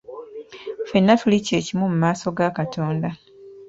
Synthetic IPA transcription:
fenːatulice̞ːcimumumaːso̞ɡakatʰo̞ːnda

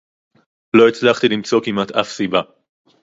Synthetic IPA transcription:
lo̞it͡slaχt̪ilimt͡so̞kimat̪afsiba

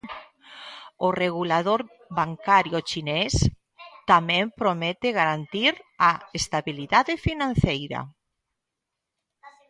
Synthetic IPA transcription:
oreɣulaðoɾ | βaŋkaɾjʊt͡ʃinɛs | t̪amɛ̃mpɾomɛt̪eɣaɾant̪iɾaest̪aβiliðaðɪfinãn̟θejɾɐ̰

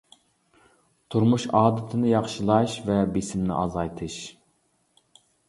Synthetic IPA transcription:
t̪ʰuɾmuʃɑːd̪ɪt̪ʰɪnɪjɑχʃɨlˠɑʃvɛbɪsɪmnɪ̰ʔɑzɑjt̪ʰɨʃ

